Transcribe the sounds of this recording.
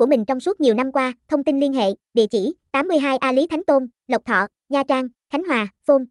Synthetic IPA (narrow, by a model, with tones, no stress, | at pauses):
ku˧˩əmï˨˩ŋ̟t͡ɕɔ˧wŋ͡msu˦˥t̚ɲi˨˩əwna˧mkwaː˧t̪ʰə˧wŋ͡mt̪i˧nli˧ənɦḛ˧˨ɗḭ˧˨ət͡ɕi˧˩t̪aː˨˦mːɨ˧əjɦaː˧jʔaː˧li˨˦t̪ʰa˨˦ŋ̟t̪o˧n | lə˨˩k͡p̚t̪ʰɔ̰˧˨ | ɲaː˧t͡ɕaː˧ŋxʰa˨˦ŋ̟ɦwaː˨˩fo˧m